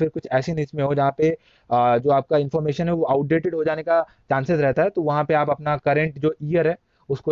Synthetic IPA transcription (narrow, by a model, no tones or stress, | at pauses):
fɪɾkʊt͡ʃʰɛːsenismẽɦod͡ʒɐɦãpe | d͡ʒoːaːp̚kaɪ̃nfɔːɾmeːʃənɦɛʋoʔaːʊʈ̚ɖeːʈɪɖɦod͡ʒaːneka | t͡ʃãːnsesɾɛɦt̪aɦɛt̪oʋɐɦãpeaːpɐpnakɐɾɛ̃ɳʈd͡ʒoːʔijəɾɦɛː | ʊsko